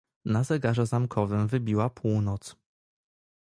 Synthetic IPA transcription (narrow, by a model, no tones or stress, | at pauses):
nazɛɡaʐɛzamkʰɔvɘmvɘbʲiwapʰuwnɔt̪s